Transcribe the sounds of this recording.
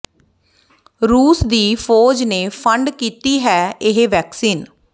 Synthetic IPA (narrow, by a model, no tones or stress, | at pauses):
ɾuːsd̪iːpʰoːd͡ʒneːpʰəɳɖkiːt̪iːɦɛːɪɦeːʋɛːksiːn